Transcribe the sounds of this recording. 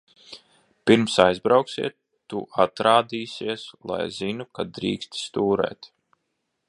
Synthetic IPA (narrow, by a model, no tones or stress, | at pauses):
piɾmsajzbɾawksḭɛt̪ːuʔat̪ɾaːd̪iːsiɛslˠa̰jzinukad̪ɾiːkst̪st̪uːɾɛ̰ːt̪